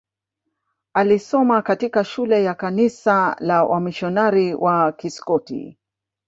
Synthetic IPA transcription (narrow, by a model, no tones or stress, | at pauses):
alisɔmakatikaʃulɛjakanisalawʔa̰miʃɔnaɾiwʔakiskɔtḭ